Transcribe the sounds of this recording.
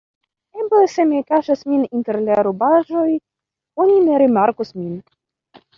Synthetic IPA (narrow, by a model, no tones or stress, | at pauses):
ebesemekaʃasminint̪eɾlaɾobaʒo̞j | onʲineɾimaɾkusmin